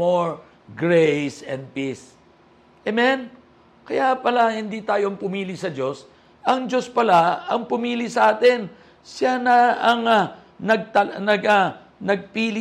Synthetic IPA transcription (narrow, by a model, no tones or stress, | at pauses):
oɹ | ɡɹejsɛ̃nd̪̚pis | ʔɛmɛn | kɐjapɐlahɪnd̪it̪aːjoɐŋpʊmiːlisɐd͡ʒo̞s | ʔɐŋd͡ʒo̞spɐlaɐŋpʊmiːlisɐʔaːt̪ɛn | sjanɐɐŋa | nɐɡ̚t̪ɐnɐɡa | nɐɡ̚piːlɪ